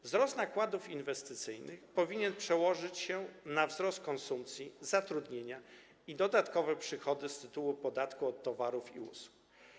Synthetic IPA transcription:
vzɾɔst̪nakwad̪ufinvɛst̪ɘt̪sɘjnɘxpɔvʲiɲɛnpʂɛwɔʐɘt͡ɕɕɛnavzɾɔst̪̚kɔnsumpt̪sʲjizat̪ɾud̪ɲeɲa | id̪ɔd̪at̪kɔvɛpʂɘxɔd̪ɘst̪ɘt̪uwupɔd̪at̪kuɔt̪ːɔvaɾufiṵsu̥k

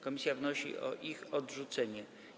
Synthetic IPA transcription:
kɔmʲisʲjavnɔɕḭʔɔ̰ʔixɔdʐut̪sɛɲɛ

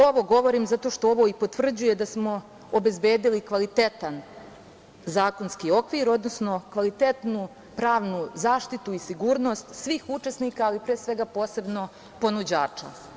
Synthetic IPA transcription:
oʋo̞ɡo̞ʋo̞ɾiːmzat̪o̞ʃt̪ooʋo̞ipo̞t̪ʋr̩d͡ʑuje̞d̪asmo̞ | obe̞zbeːd̪ilikʋalit̪e̞t̪an | zaːko̞nskio̞kʋiɾo̞d̪no̞sno̞kʋalit̪et̪nu | pɾaːʋnuzaːʃt̪it̪uisiɡuːɾno̞st̪sʋiːxut͡ʂesnikaːlipɾeːsʋe̞ɡapo̞ːse̞bno̞ | po̞nud͡ʑaːt͡ʂa̰

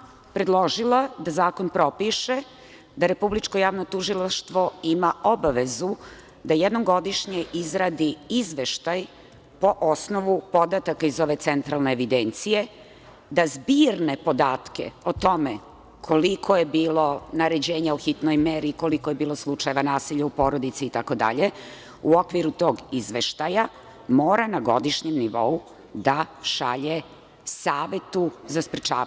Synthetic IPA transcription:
pɾed̪lˠo̞ʒilˠad̪azaːko̞npɾo̞piʃe | d̪aɾe̞publit͡ʃko̞jaːʋnot̪uʒilˠaʃt̪ʋo̞imaobaʋe̞zu | d̪ajed̪noɡo̞d̪iʃɲeʔizɾad̪iizʋeʃt̪aj | po̞ʔosnoʋupo̞d̪at̪akaizo̞ʋe̞t̪sent̪ɾalˠneːʋid̪ent̪sije̞ | d̪azbiːɾnepo̞d̪aːt̪ke̞̰ot̪o̞me | kʰo̞likʰo̞jebiːlo̞naɾed͡ʑeːɲauxit̪nojmeɾiko̞likoje̞biːlˠo̞slˠut͡ʃajeʋanaːsiʎaupo̞ːɾod̪it̪siːt̪ako̞d̪a̰ʎe | uokʋiɾut̪o̞ːɡizʋeʃt̪aja | moːɾanaɡo̞d̪iʃɲemniʋo̞u | d̪aʃaʎe | saːʋe̞t̪uzaspɾet͡ʃaːa

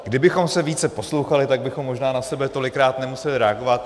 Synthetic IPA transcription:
ɡdɪbɪxo̞msɛviːt͡sɛpo̞slo̞wxalɪt̪aɡ̚bɪxomːo̞ʒnaːnasɛbɛt̪o̞lɪkɾaːt̪nɛmusɛlɪɾɛaɡo̞vat̪̚

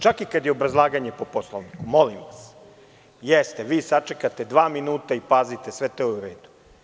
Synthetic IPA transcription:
t͡ʃakikad̪jeo̞bɾazlˠaːɡaɲepo̞po̞slˠoʋnikumo̞limʋas | jest̪eʋiːsat͡ʂekat̪e̞d̪ʋaːminuːt̪aipaːzit̪esʋe̞t̪ouɾeːd̪u̥

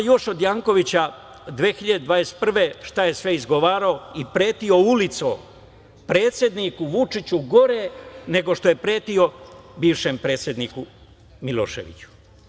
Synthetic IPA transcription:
jo̞ʃod̪jaːŋko̞ʋit͡ɕa | d̪ʋeːxiʎad̪ed̪ʋaːjest̪̚pr̩ʋe̞ːʃt̪aje̞sʋe̞izɡo̞ʋaːɾaoipɾe̞ːt̪io̞ulit̪so | pɾe̞ːt̪sje̞d̪nikuʋut͡ʂit͡ɕuɡo̞ɾene̞ɡo̞ʃt̪oje̞pɾe̞ːt̪io̞biːʋʃeːmpɾe̞ːt̪sʲje̞d̪niːku | milo̰ːʃe̞̰ʋḭt͡ɕu̥

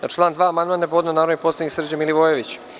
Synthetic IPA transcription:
at͡ʃlˠaːnd̪ʋaːamand̪maːnapood̪nonaːɾoniposˠad̪niksr̩d͡ʑamiliʋojeʋit͡ɕ

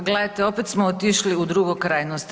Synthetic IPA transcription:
ɡled̪at̪eo̞pet̪smoot̪iʃliud̪ɾuɡokɾajnost̪

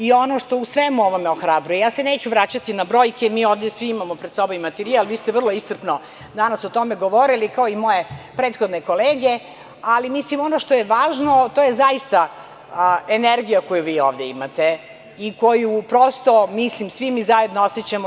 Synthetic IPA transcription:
io̞noʂt̪o̞usʋemuoʋomeoxɾabɾujejaːse̞ne̞ːt͡ɕuʋɾat͡ɕat̪inabɾo̞ːjkemiːoːʋd̪jesʋiimamopɾed̪sobomimat̪eɾialʋiːst̪eʋr̩lˠoist̪rpno | d̪anasot̪omeɡo̞ʋo̞ɾilikaoimo̞jepɾeːt̪xod̪neko̞leːɡe̞ | alimislimo̞noʂt̪ojeʋaːʒno̞t̪ojezaist̪a | eneɾɡijakojuʋiːoːʋd̪e̞imat̪e | ikojupɾost̪o̞mislimsʋimizajed̪nooset͡ɕamo

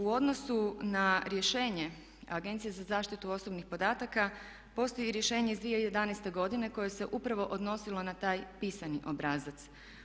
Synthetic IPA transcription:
uo̞d̪no̞sunaɾje̞ʃe̞ːɲe̞ | aɡe̞nt̪sijezazaːʃt̪it̪uo̞sobnixpo̞d̪aːt̪aka | po̞st̪o̞jiɾjeʃe̞ːɲe̞izd̪ʋieje̞d̪anest̪e̞ɡo̞d̪ine̞ko̞je̞se̞ʔupɾaʋo̞ʔo̞d̪no̞silo̞nat̪aːjpiːsaniʔo̞bɾaːzat̪s

